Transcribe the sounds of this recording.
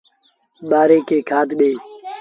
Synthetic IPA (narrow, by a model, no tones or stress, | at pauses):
ɓaːɾeːkeːkʰaːd̪ɗeː